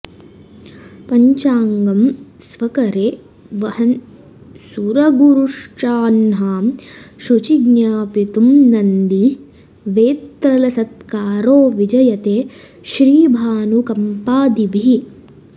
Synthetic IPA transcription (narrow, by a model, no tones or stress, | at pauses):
pɐɲt͡ʃaːŋɡɐmsʋɐkɐɾeː | ʋɐhɐn | suɾɐɡuɾuʂt͡ʃaːnɦaːmʃut͡ʃiɡnjaːpit̪umnɐnd̪i | ʋeːt̪ɾɐlɐsɐt̪kaːɾoːʋid͡ʒɐjɐt̪eː | ʃɾiːbʱaːnukɐmpaːd̪ibʱii